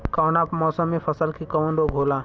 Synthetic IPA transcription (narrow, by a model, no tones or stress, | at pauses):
kaːnaːpmɔːsəmːẽpʰɐsəlkikəʋə̃ɳɖoɡʱoːlaː